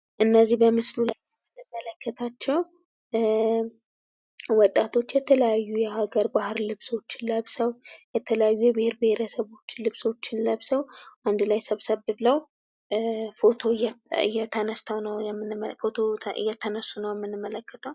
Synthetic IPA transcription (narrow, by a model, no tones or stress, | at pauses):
ʔɨnːəzːihbəmɨslulajɛmːɨnːɨmːələkːət̪ʰat͡ʃːɛw | wɔt̪ʼːat̪ʰo̞t͡ʃːjɛt̪ʰələjajːujɛhaɡəɾbahɨɾlɨβso̞t͡ʃːɪnləβsəwjɛt̪ʰələjajːujɛbɪheɾbɪheɾəsəβo̞t͡ʃːlɨβso̞t͡ʃːɪnləβsəwʔand̪lajsəβsəβbɨβləw | fot̪ʰo̞jɛɨ̰jːɛt̪ʰənəst̪ʰəwnəwɛmːɨnfo̞t̪ʰo̞ɨ̰jːɛt̪ʰənəsːunəwjɛmːɨnːɨmːələkːət̪ʰəw